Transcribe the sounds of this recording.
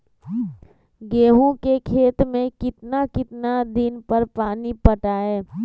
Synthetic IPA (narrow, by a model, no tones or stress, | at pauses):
ɡeːɦõkekʰeːt̪mẽkɪt̪nakɪt̪nad̪ɪnpəɾpaːnipəʈaːeː